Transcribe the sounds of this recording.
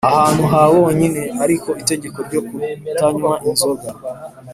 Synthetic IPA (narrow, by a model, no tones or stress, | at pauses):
ahaːn̥huɦawooɲine̞aɾiko̞ite̞ɟe̞ko̞ɾɟokutaɲwaʔinzo̞ɡa